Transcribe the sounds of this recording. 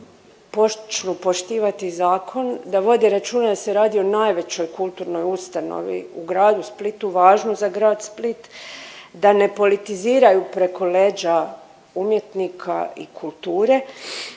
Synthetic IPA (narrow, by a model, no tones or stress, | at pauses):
pot͡ʃnupo̞ʃt̪iːʋat̪izaːkʰo̞nd̪aʋo̞d̪iɾat͡ʃuːnad̪ase̞ɾaːd̪io̞najʋe̞t͡ɕo̞jkulˠt̪uɾno̞just̪ano̰ʋḭuɡɾaːd̪usplit̪uʋaːʒnozaɡɾaːd̪split̪ | d̪ane̞po̞lit̪iziːɾajupɾe̞ko̞leːd͡ʑa | umje̞t̪nikʰa̰ikʰulˠt̪uːɾe̞